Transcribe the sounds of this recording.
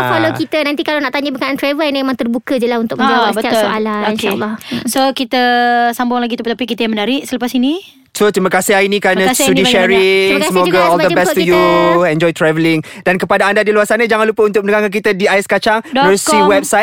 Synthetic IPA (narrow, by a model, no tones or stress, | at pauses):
falokit̪ənãnt̪ikalanaʔt̪aɲəbəkanant̪ɾɛvəlniemãŋt̪ərbukəd͡ʒəlahunt̪ʊk̚mənaasbət̪iaslllaokea̰ːɔsokit̪əsambʊŋlaɡit̪upət̪apikit̪əjamənaɾɪʔsələpasini | sot̪ɾiməkasɪɦainĩkɾamnə̃asundiʃɛɾiŋsamɔɡəɔldəbɛstujuɛ̃nd͡ʒɔjt̪ɾɛvəlɪŋdankəpadaːndadiluarsanad͡ʒaŋãnlupəunt̪ʊk̚ənəɡaŋkankit̪ədiajɪskat͡ʃaŋdəusiwɛp̚saj